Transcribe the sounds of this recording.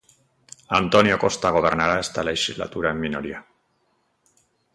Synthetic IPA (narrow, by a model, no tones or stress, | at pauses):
a̰nt̪onjokost̪aɣ̞oβ̞eɾnaɾaest̪aleʃizla̰t̪uɾaemːinoɾia